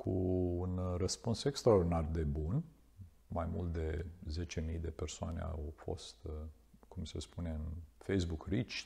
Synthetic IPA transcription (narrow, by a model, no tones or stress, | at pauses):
kʰuunrəspunsekst̪ɾad̪inard̪e̞bun | majmult̪̚d̪e̞ze̞t͡ʃe̞mijd̪e̞persoa̰ne̞̰a̰wfo̞̰st̪ | kumse̞̰spune̞ɨnfejs̬bukrit͡ʃʲ